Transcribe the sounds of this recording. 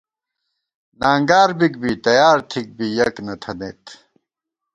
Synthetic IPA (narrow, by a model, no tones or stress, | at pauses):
naːŋɡaːɾbikbit̪ɐjaːɾt̪ʰik̚bijɐknɐt̪ʰɐnḛːt̪